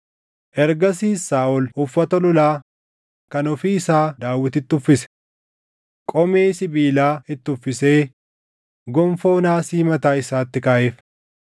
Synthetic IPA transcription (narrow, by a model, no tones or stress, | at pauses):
ʔɛɾɡɐsiːsaːʔɔlʊfːɐt̪ɐlʊlaː | kɐnɔfiːɪsaːd̪aːwːɪt̪ɪt̪ːʊfːɪsɛ̥ | kʼɔmeːsɪbiːlaːɪt̪ːʊfːɪse̞ː | ɡɔmfo̞ːnaːsiːmɐt̪aːɪsaːt̪ːɪkaːʔeːf